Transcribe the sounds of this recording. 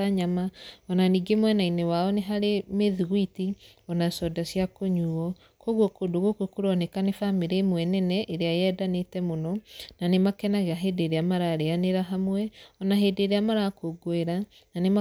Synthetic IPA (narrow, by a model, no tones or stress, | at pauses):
aɲamaɔnaniːɡemwɛnainɛwaɔneɦaɾemeðɣwiti | ɔnasɔdasiakoɲuːɔ | koɣɔkodoɣokwekoɾɔnɛkanefameɾemwɛnɛnɛʔeɾeajeɛdanetɛmonɔnanemakɛnaɣeaɦedeɾeamaɾaɾeaneɾaɦamwɛɔnaɦedeɾeamaɾakoɡoeɾa | nanema